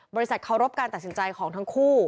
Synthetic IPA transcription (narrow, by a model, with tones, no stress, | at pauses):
bɔː˧ɾi˦˥sa˨˩kʰa˨˩wɾo˦˥p̚kaː˧nt̪a˨˩t̪̚si˩˦nt͡ɕa˧jkʰɔː˩˦ŋt̪ʰa˦˥ŋkʰuː˥˩